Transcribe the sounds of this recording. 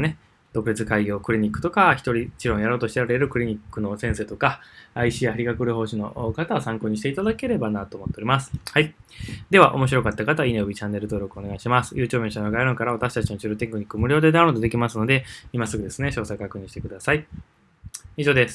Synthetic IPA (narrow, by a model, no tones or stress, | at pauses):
ne | d̪o̞kɯ̟ɾit͡sɨkaiɡʲo̞ːkɯ̟ɾʲiɲ̟ikːɯ̟̥t̪o̞kaçi̥t̪o̞ɾʲit͡ɕiɾõɰ̃jaɾo̞ːt̪o̞ɕi̥t̪eɾaɾe̞ɾɯ̟kɯ̟ɾʲiɲ̟ikːɯ̟no̞sẽ̞se̞ːt̪okaːiɕiaaɾʲiɡakɯ̟ɾɯ̟ho̞ːɕino̞̰ʔkat̪aosãŋko̞ːɲ̟iɕit̪eit̪ad̪ake̞ɾe̞banat̪o̞ːmo̞t̪ːeo̞ɾʲimasɨ̥haid̪e̞β̞aʔo̞̰mo̞ɕ̬iɾo̞kat̪ːakat̪aineɯ̟bʲit͡ɕãnːe̞ɾɯ̟t̪o̞ːɾo̞kɯ̟one̞ɡaiɕimasɨ̥jɯ̟ːt͡ɕoːbẽ̞ɕanoɡaiɾõ̞ŋkaɾaβat̪aɕi̥t̪at͡ɕinot͡ɕiɾot̪ekɯ̟ɲ̟ikːɯmɯ̟ɾʲo̞ːd̪e̞d̪aɰ̃ɾo̞ːd̪d̪e̞kʲimasɨno̞d̪e̞imasɨɡɯ̟d̪e̞sɨne̞ɕo̞ːsakakɯ̟ɲ̟iɕi̥t̪e̞kɯ̟d̪asai | iʑo̞ːd̪e̞sɨ̥